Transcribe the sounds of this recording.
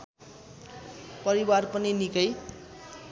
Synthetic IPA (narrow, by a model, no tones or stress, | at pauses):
pʌɾiwarpʌninikʌj